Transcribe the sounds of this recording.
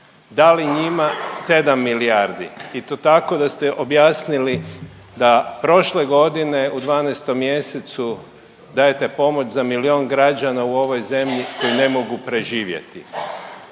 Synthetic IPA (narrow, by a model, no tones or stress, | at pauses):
d̪aliɲimase̞d̪amːiliaɾd̪ḭit̪ot̪ako̞d̪ast̪eʔobjaːsnili | d̪apɾo̞ʃleɡo̞d̪ine̞ud̪ʋaːnest̪o̞mːje̞set̪su | d̪ajet̪e̞po̞mo̞t͡ʃzamilio̞ːnɡɾad͡ʑanauo̞ʋo̞jze̞mʎiko̞jine̞mo̞ɡupɾe̞ʒiːʋje̞̰t̪i